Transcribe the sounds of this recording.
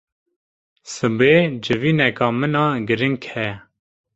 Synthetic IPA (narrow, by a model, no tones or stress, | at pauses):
sɨbeːd͡ʒɪʋiːnɛkɑːmənɑːɡəɾɪŋkʰhɛ